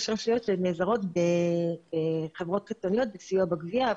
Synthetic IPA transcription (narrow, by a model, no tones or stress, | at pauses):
ʃʁaʃijotʃeneːzaʁo̞tbe | χevʁo̞t̪̚kit̪onijo̞t̪̚besijuabaɡvia